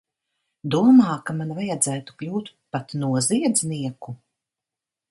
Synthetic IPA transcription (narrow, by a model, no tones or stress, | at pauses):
d̪uɔmaːkamanvajad̪zæːt̪u̥klʲuːt̪pat̪nuɔziɛd̪zniɛku